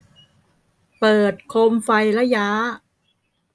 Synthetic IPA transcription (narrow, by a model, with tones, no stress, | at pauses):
pɤː˨˩t̪̚kʰo˧mfa˧jlɛ˦˥jaː˦˥